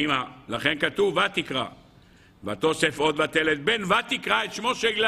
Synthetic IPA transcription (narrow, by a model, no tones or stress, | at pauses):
imalaχe̞nkat̪uvat̪ikʁa̰ | vat̪o̞sefo̞d̪bat̪elet̪̚benvat̪ikʁaet̪ʃmo̞ʃeɡl